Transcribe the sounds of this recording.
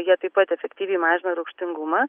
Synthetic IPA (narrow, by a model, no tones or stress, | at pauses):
jiɛt̪ɐɪpɐt̪ʲɛfʲɛkt̪ʲiːʋʲɛɪmɑːʒʲɪnɐɾɐʊkʃʲt̪ʲɪŋɡʊmɐː